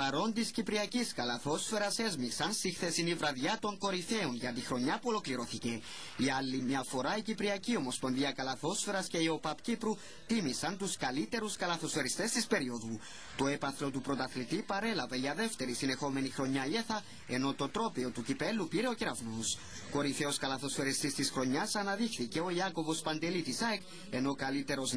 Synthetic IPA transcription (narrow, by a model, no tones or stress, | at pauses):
pɐɾo̞nt̪iscipɾiɐciskɐlɐθo̞sfe̞ɾɐse̞zmiksɐnst̪ixθe̞sinivɾɐðʝɐt̪o̞ŋko̞ɾife̞onʝɐt̪ixɾo̞ɲːɐpuo̞lo̞kliɾo̞θice̞ | iɐlːimɲɐfo̞ɾɐicipɾiɐcio̞mosponðiɐkɐlɐθo̞sfe̞ɾɐsce̞io̞pɐpcipɾu | t̪imisɐnt̪uskɐlit̪e̞ɾuskɐlɐθo̞sfe̞ɾist̪e̞st̪ispe̞ɾio̞ðu | t̪o̞epɐθlo̞t̪upɾo̞t̪ɐθlit̪ipɐɾe̞lɐve̞ʝɐðeft̪e̞ɾisine̞xo̞me̞nixɾo̞ɲːɐieθɐ | e̞no̞t̪o̞t̪ɾo̞pio̞t̪ucipe̞lːupiɾe̞o̞ciɾɐvnos | ko̞ɾiθe̞o̞skɐlɐθo̞sfe̞ɾist̪ist̪isxɾo̞ɲːɐsɐnɐðixθiceo̞iɐko̞vo̞spɐnd̪e̞lit̪isɐek | e̞no̞kɐlit̪e̞ɾo̞z